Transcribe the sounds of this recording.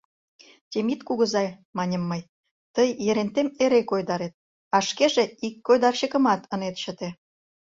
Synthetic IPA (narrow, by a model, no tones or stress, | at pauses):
t̪ʲemit̪kuɣə̆zɑjmɑnʲə̆mːəj | t̪əjːeɾent̪emeɾekojd̪ɑɾet̪̚ | ɑʃkeʒeikːojd̪ɑrɕəkə̆mɑt̪ə̆net̪ɕə̆t̪e